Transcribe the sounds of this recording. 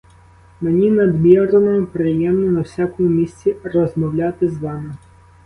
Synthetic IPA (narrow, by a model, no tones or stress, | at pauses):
menʲinɐd̪mʲiɾɔnɔpɾɪjɛmnɔnɐwsʲakɔmʊmʲisʲt͡sʲirɔzmɔwlʲat̪ɪzʋɑmɪ